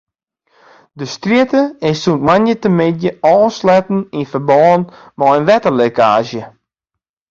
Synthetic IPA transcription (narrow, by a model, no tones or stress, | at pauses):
dəstritəɪssuntmanjətəmɪdjəɔːnslɛtn̩infərbɔːn | mɔənʋɛtəlekaːʒjə